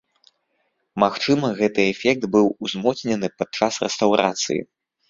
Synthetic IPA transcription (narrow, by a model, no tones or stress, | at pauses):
maxt͡ʂɨmɐɣɛt̪ɨɛfʲɛk̚t̪bɨwuzmɔsʲnʲɛnɨpad̪̚t͡ʂasrɛst̪awɾa̰t̪sɨ̰jḭ